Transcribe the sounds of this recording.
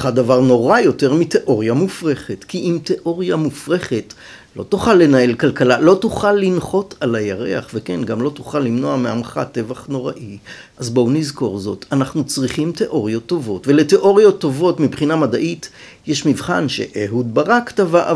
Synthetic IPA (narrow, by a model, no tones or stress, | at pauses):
χadavaʁno̞ʁajo̞teʁmite̞ʔo̞ʁjamufʁe̞χetkiʔimte̞ʔo̞ʁjamufʁeχe̞t | lo̞̰tuχalːe̞nae̞lkalkalalo̞tuχalːinχo̞tʰalajaʁe̞̰aχve̞kenɡamlo̞tuχalːimno̞ameamχa̰te̞vaχno̞ʁaʔi | ʔazbownizko̞ʁzo̞̰tanaχnut͡sʁiχimte̞ʔo̞ʁijo̞t̪ːo̞vo̞tve̞le̞te̞ʔo̞ʁjo̞t̪ːo̞vo̞tmibχinamadaʔit | jɛʃmivχa̰nʃe̞̰ʔeɦud̚baʁaktava